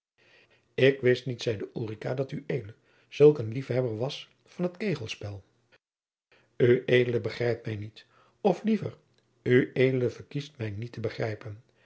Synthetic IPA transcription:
ɪkʋɪstnitsɛjdəʔuːrikadɑtyʔejdələ | z̥ɵlˠkənlifɦɛbəɹʋɑs | fɑnɦətkejχəlˠspɛlˠ | yʔejdələbəχrɛjp̚tmɛjnit | ɔflivə̰r | yejdələvəɹkistmɛjnitəbəχrɛjpən

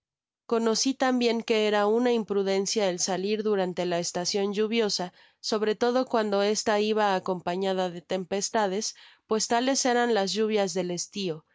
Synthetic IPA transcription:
ko̞no̞sit̪ambje̞ŋke̞eɾaunaimpɾuðe̞nsjaelsaliɾðuɾant̪e̞laest̪asjo̞nd͡ʒuβ̞jo̞sa | so̞βɾe̞t̪o̞ð̞o̞kwand̪o̞e̞st̪aiβaːko̞mpaɲaðaðe̞t̪e̞mpe̞st̪að̞e̞spwe̞st̪ale̞se̞ɾanlazʝuβ̞jazðe̞le̞st̪io̞

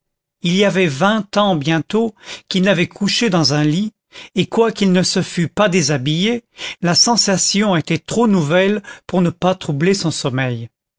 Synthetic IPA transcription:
iliavɛvɛ̃t̪ɑ̃bjɛ̃t̪okilnavɛkʰuʃed̪ɑ̃zɛ̃li | ekwakilnəsəfypad̪ezabijelasɑ̃sasjɔ̃et̪ɛt̪χonuvɛlpuʁnəpat̪χublesɔ̃sɔmɛj

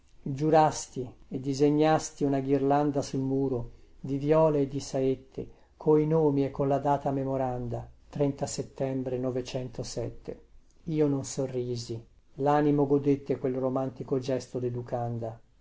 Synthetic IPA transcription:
d͡ʒuɾast̪ied̪ːizeɲːast̪iunaɡirland̪asulmuːɾod̪ivjɔːleːd̪ːisaet̪ːḛ | kʰoinoːmiekʰːonlad̪aːt̪amemoɾand̪at̪ɾɛnt̪aset̪ːɛmbɾenɔvet͡ʃɛnt̪osɛt̪ːḛ | iːononsorːiːzi | laːnimoɡod̪et̪ːekwelromant̪ikod͡ʒɛst̪od̪ed̪ukand̪a

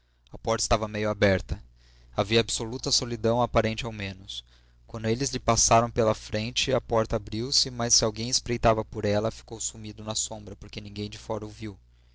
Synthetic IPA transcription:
ɐpɔɾt̪ɐɪst̪avɐmejʊabɛɾt̪ɐ | aviɐːbɪsolut̪ɐsolid̪ɐ̃w̃apaɾẽnt͡ʃɪawmẽnʊs | kwɐ̃nd̪ʊelɪzlɪpasaɾɐ̃w̃pelɐfɾẽnt͡ʃɪɐpɔɾt̪ɐabɾiwsɪmɐsːɪawɡẽj̃ɪspɾejt̪avɐpoɾɛlɐfi̥kowsumid̪ʊnɐsõmbɾɐpoɾkenĩŋɡẽj̃d͡ʒɪfɔɾɐʊviw

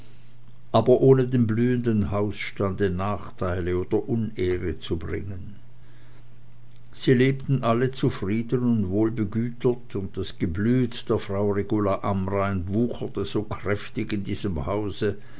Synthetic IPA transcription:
ʔaːbɐʔoːnədeːmblyːəndənhaʊsʃtandənaːχtʰaɪləoːd̥ɐʔʊneːʁət͡subʁɪ̰ŋən | z̥iːleːp̚tn̩ʔalət͡sufʁ̥iːdənʊntvoːlbəɡyːtʰɐtʊnt̚d̥asɡ̥əblyːtd̥eːɐfʁ̥aʊʁeɡulaʔamʁaɪnvuːxɐtəz̥oːkʁ̥ɛftɪçɪndiːzəmhaʊzə

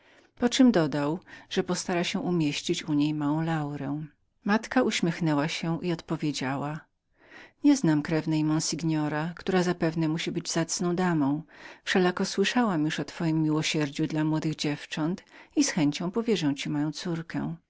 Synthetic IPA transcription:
pɔt͡ʂɨmd̪ɔd̪awʐ̥ɛpɔst̪aɾaɕɛʔumʲjeɕt͡ɕit͡ɕuɲejmawɔ̃w̃lawɾɛ | mat̪kauɕmʲjɛxnɛwaɕɛʔiɔt̪pɔvʲjed͡ʑawa | ɲɛznamkɾɛvnɛjmɔ̃nsʲiɡɲɔɾakt̪uɾazapɛvnɛmuɕibɘd͡ʑzat̪snɔ̃w̃d̪amɔ̃w̃fʂɛlakɔswɘʂawamjuʂɔt̪fɔjimːʲiwɔɕɛɾd͡ʑud̪lamwɔd̪ɘɣd͡ʑɛft͡ʂɔnt̪isxɛɲt͡ɕɔ̃w̃pɔvʲjɛʐɛw̃t͡ɕimajɔ̃w̃t̪suɾkɛ̰

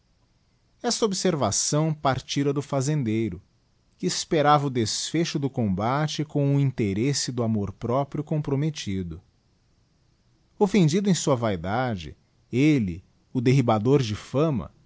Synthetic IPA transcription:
ɛst̪ɐobseɾvasɐ̃w̃paɾt͡ʃiɾɐd̪ʊfazẽnd̪ejɾʊ | kɪːspeɾavɐʊd̪esfeʃʊd̪ʊkõbat͡ʃɪkõw̃ʊĩnt̪eɾesɪd̪ʊamoɾpɾɔpɾiʊkõpɾomet͡ʃid̪ʊ | ofẽnd͡ʒid̪ʊẽsuɐvajd̪ad͡ʒɪ̰ | elɪ | ʊd̪eɦibad̪oɾd͡ʒɪfɐ̃mɐ̰

